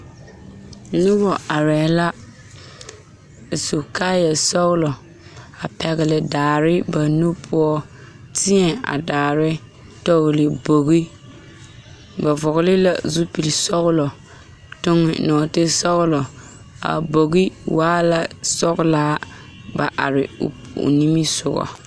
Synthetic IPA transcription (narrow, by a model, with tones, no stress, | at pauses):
nʊ˦bɔ˨a˨ɾɛː˨˦la˦˨ | so˨kaː˦jɛ˨sɔ˦ɣlɔ˨ | a˨pɛ˨ɣɪ˨lɪ˨daː˨ɾɪ˦ba˨nu˦pʰʊ˦ɔ˦ | tɪ˦ɛ˨a̰˨daː˨ɾɪ˦ | tɔ˦ɣlɪ˨bo˨ɣi˦ | ba˨vɔ˨ɣlɪ˦la̰˦zu˦pi˨li˨sɔ˦ɣʊ˦lɔ˨ | tʊ˦ŋɪ̰˨nɔː˨tɪ˦sɔ˦ɣlɔ˨ | a̰˨bo˨ɣi˦waː˦la˦sɔ˦ɣlaː˦ | ba˨ʔa̰˨ɾɪ̰˨ʊ̰˨pni˦mi˦sʊ˨ɣɔ̰˨